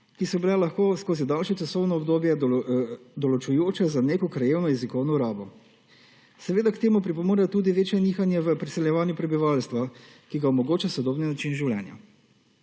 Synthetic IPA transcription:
kisɔbilalaxkoːskoːzid̪alʃjɛt͡ʃasɔwnɔɔbd̪oːbjɛ | d̪ɔlɔt͡ʃujoːt͡ʃɛzaneːkɔkɾajeːwnɔjɛzikɔwnɔuɾaːbɔ | sɛʋeːd̪akt̪eːmupɾipɔmuːɾɛt̪uːd̪iʋeːt͡ʃjɛniːxanjɛʋəpɾisɛljɛʋaːnjupɾɛbiʋalst̪ʋakiɡaɔmɔɡoːt͡ʃasɔd̪ɔːbninat͡ʃinʒiwlʲjɛ̰nja̰

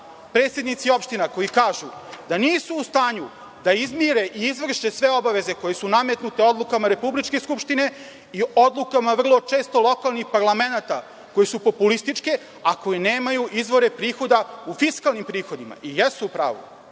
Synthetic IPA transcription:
pɾe̞ːt̪sje̞d̪nit̪sio̞pʃt̪inako̞jikaːʒud̪aniːsuːst̪aːɲu | d̪aizmiɾe̞ʔiːzʋr̩ʃe̞sʋe̞o̞baʋe̞ze̞ko̞jesuname̞t̪nut̪eod̪lˠukamaɾe̞publit͡ʃke̞skupʃt̪ine̞ | iʔo̞d̪lˠukamaʋr̩lˠo̞t͡ʃe̞ːst̪o̞lˠo̞kalˠnixpaɾlˠame̞nat̪a | ko̞jisupo̞pulist̪it͡ʂke̞ | ako̞jine̞ːmajuʔizʋo̞ɾe̞pɾiːxo̞d̪aufiskalˠnimpɾiːxo̞d̪ima̰ʔijesuːpɾa̰ːʋṵ

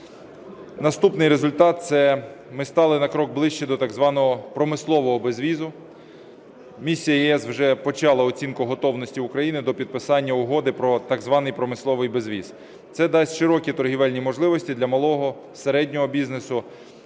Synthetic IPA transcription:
nɐst̪upnɪjɾezʊlʲt̪ɑt̪̚t̪sɛmɪst̪ɑlˠɪnɐkɾɔɡ̚blˠɪʃt͡ʃɛd̪ɔt̪ɐɡzʋɑnɔɦɔpɾɔmɪslˠɔʋɔɦɔbezʋʲizʊ | mʲisʲːijɐjiɛswʒɛpɔt͡ʃɑlˠɐɔt͡sʲinkʊɦɔt̪ɔwnɔsʲtʲiʊkɾɐjinɪd̪ɔpʲid̪̚pɪsɑnʲːɐʊɦɔd̪ɪpɾɔt̪ɑɡzʋɑnɪjpɾɔmɪslˠɔʋɪjbezʲʋʲiz̥ | t̪sɛd̪ɑsʲʃɪɾɔkʲit̪ɔrɦiʋɛlʲnʲimɔʒlˠɪʋɔsʲtʲid̪lʲɐmɐlˠɔɦɔ | seɾɛdʲnʲɔɦɔbʲiznesʊ

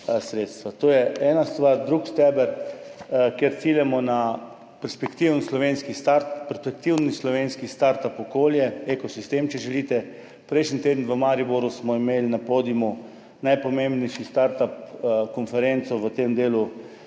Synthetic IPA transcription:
sɾeːt̪st̪ʋat̪oːjɛɛːnast̪ʋaɾd̪ɾuːkst̪ɛbəɾ | keɾt̪siːljɛmɔna | pɛɾspɛkt̪iwnslɔʋenskist̪aɾt̪pɛɾspɛk̚t̪iwnislɔʋenskist̪aɾt̪apɔkoːljɛekɔsist̪emt͡ʃɛʒɛliːt̪ɛ | pɾɛjʃnit̪eːd̪n̩ʋəmaɾiboɾusmɔimeːlnapod̪imu | najpɔmembnɛjʃist̪aɾt̪apkɔnfɛɾent̪sɔʋət̪emd̪eːlu

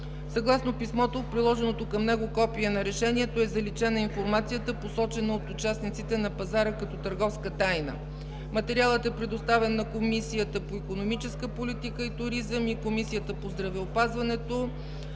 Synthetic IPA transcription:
sɐɡlˠasnopismɔt̪ot̪̚pɾilˠɔʒɛnot̪okɐmnɛɡokɔpiɛnɐɾɛʃɛniɛt̪oɛzɐlit͡ʃɛnəinfoɾmat̪sijət̪əposɔt͡ʃɛnəot̪ʊt͡ʃasnit̪sit̪ɛnɐpɐzaɾəkɐt̪ɔt̪əɾɡɔfskət̪ajnə̰ | mɐt̪ɛɾialˠət̪ɛpɾɛd̪ost̪avɛnːɐkomisijət̪əpoikonomit͡ʃɛskəpolit̪ikəit̪ʊɾizəmikomisijət̪əpozd̪ɾɐvɛopazvɐnɛt̪o

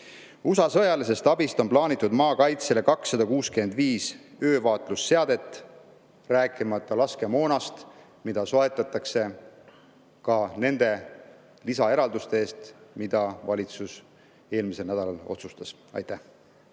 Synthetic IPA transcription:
usɑsɤjɑlis̬e̞st̪ɑbist̪o̞nplɑːnit̪ˑːud̪mɑːkɑjt̪se̞le̞kɑksːɑd̪̥ɑkuːskymend̪viːsø̞ːvɑːt̪ˑlusːe̞ɑd̪̥e̞t̪ˑː | ræːkːˑimɑt̪ˑːɑlɑske̞mo̞ːnɑst̪ | mid̪̥ɑso̞et̪ːˑɑt̪ːˑɑkse̞ | kɑne̞nd̪̥e̞ | lisɑe̞ɾɑld̪ust̪e̞eːst̪mid̪̥ɑvɑlʲit̪sus | e̞ːlmise̞lnæd̪ɑlɑlo̞̰t̪sust̪ɑs | ɑ̰jt̪æh

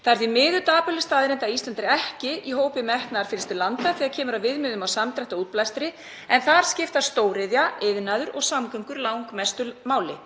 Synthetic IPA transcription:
θaɛɾðimɪːðʏt̪aːpʏlɪst̪aːðɾɪnt̪aist̪lant̪ɾɪɛhcɪiɦoːwpɪmɛhk̪naaɾ̥fɪːlɪst̪ʏlant̪aθiːɣaðcʰɛːmʏɾavɪðmɪðʏmawsamt̪ɾaht̪auːt̪plajst̪ɾɪ | ɛnθaɾ̥scɪft̪ast̪oːwɾɪðjaɪðnaðʏɾɔɣsamkʏŋkʏɾlawŋkmɛst̪ʏmaːwlɪ̰

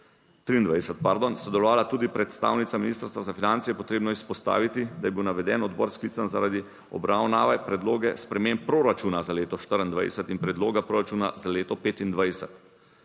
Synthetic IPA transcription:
t̪ɾiːnd̪ʋajɛsɛt̪̚paɾd̪onsɔd̪ɛlɔʋaːlat̪uːd̪ipɾɛt̪st̪a̰ːwnit̪saminiːst̪əɾst̪ɾazafinant̪sijɛpɔt̪ɾeːbnɔispɔst̪a̰ːʋit̪id̪ajɛbiwnaʋɛd̪ɛnɔd̪bɔɾskliːt̪sanzaɾad̪i | ɔ̰bɾawnaːʋɛpɾɛd̪loːɡɛspɾɛmempɾoːɾat͡ʃuːnazaleːt̪ɔʃt̪əɾind̪ʋa̰jsɛt̪inpɾɛd̪loːɡapɾoːɾat͡ʃuːnazaleːt̪ɔpeːt̪ind̪ʋajsɛt̪

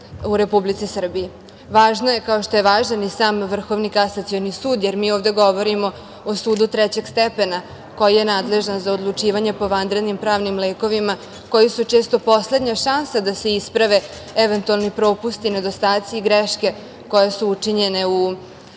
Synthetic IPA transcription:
uɾe̞publit̪isr̩biji | ʋaːʒnoje̞kao̞ʃt̪o̞je̞ʋaːʒanisaːmʋr̩xo̞ʋnikasat̪sionisuːd̪jeɾmiːoːʋd̪e̞ɡo̞ʋo̞ɾimo̞ː | suːd̪ut̪ɾɛt͡ɕe̞ɡst̪epena | ko̞jijenaːd̪le̞ʒanzaod̪lˠut͡ʂiːʋaɲe̞po̞ʋand̪ɾe̞d̪nimpɾaːʋnimleːko̞ʋima | ko̞jisut͡ʂe̞ːst̪o̞po̞sle̞d̪ɲaʃansad̪ase̞ispɾaʋe̞ | ɛʋent̪ualˠnipɾo̞ːpust̪ined̪ost̪aːt̪siːɡɾeʃke̞ | ko̞je̞suut͡ʂiɲe̞ne̞u

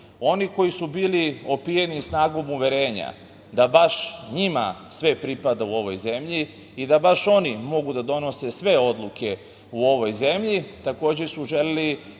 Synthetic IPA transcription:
o̞niko̞jisubiːlio̞pijenisnaːɡo̞muʋe̞ɾe̞ːɲa̰ | d̪abaʃɲima̰sʋe̞pɾipad̪auo̞ʋo̞̰jze̞mʎi | id̪abaʃo̞nimo̞ɡud̪ad̪o̞no̞se̞sʋe̞o̞d̪lukʰe̞ | uo̞ʋo̞jze̞mʎit̪ako̞ːd͡ʑesuʒe̞leli

